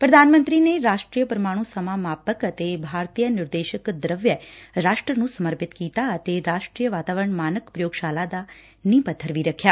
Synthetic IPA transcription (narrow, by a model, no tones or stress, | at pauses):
pɾəd̪ʱanmə̃nt̪ɾineɾaʃʈɾijəpɾəmãũsəmamaːpəkət̪ebʱaːɾt̪ijənɪɾd̪eʃəkd̪ɾəʋjəɾaʃʈɾənũsəməɾpɪt̪kiːt̪at̪eɾaʃʈɾijəʋaːt̪aʋəɾəɳmaːnəkpɾəjoːɡʃaːlad̪a | nĩpət̪ʰːəɾʋiɾəkʰja